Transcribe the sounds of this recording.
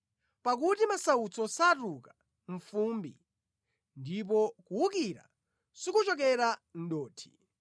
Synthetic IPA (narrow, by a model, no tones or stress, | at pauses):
pak̬utimasaut͡sɔsatuka | ɱ̩fumbḭ | ndip̬ɔkuukiɾa̰ | sikut͡ʃɔk̬ɛɾan̩ɗɔːtʰi̥